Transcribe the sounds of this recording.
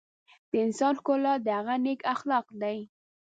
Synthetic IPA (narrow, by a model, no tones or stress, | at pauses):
d̪̥əɪnsɑnxkolɑd̪əhaɣanekaxlɑqd̪aj